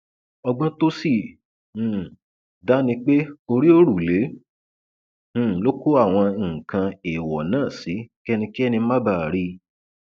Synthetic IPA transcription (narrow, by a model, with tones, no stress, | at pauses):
ɔ˧ɡ͡bɔ̃˦to˦sĩ˦˨ | da˦nĩ˧k͡pe˦o˧ɾi˦o˦ɾu˨le˨˦˨ | lo˦ku˦a˦˨w̃ɔ̃˧˨kã˧e˨wɔ˨nãː˦˨si˨˦kɛ˦nĩ˧ki˦ɛ˦˨nĩ˧˦ma˦ba˦˨ɾi˧˦